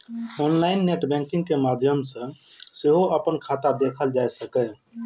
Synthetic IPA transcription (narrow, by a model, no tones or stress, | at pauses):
onlainːeʈbɛ̃ŋkĩŋɡkemad̪ʱjəmsə̃seɦoʔəpənkʰat̪ad̪ekʰəld͡ʒajsəkɛ